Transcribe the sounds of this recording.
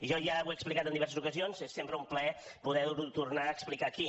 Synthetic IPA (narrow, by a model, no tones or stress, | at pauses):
ʒɔʒaweksplikat̪ənd̪iβɛɾsəzukəzionszesːempɾəumplɛ | puðɛɾut̪urnaəːksplikaki